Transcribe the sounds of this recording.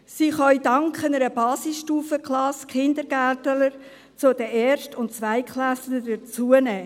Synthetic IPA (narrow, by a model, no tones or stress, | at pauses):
siːχœʏdɑŋkχənəɾəbɑːsɪsʃtuːfəklɑskʰɪndəɾɡ̥æltələɾ | t͡sʊd̥əʔɛːɾʃtʊnt̚t͡sʋaɪkχlæslədət͡suənɛː